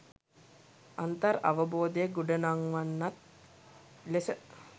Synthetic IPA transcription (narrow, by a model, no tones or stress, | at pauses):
ant̪əɾa̰ʋəboːd̪əjəɡuɖənaŋʋanːat̪̚ | lesə